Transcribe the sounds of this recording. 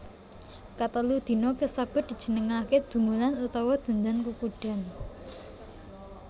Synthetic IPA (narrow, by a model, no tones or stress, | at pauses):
kat̪əlud̪̥i̤nɔkəsab̥ə̤t̪̚d̥̪i̤̥d͡ʒ̥ə̤nəŋakeb̪̥ṳmulanut̪ɔwɔd̪̥ə̤nd̪ankukuɖ̥a̤n